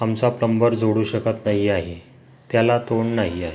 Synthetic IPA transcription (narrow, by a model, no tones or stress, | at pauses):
amt͡sapləmbəɾd͡zʱoɽuːɕəkət̪naɦiaɦe | t̪jalat̪oɳnaɦiaɦe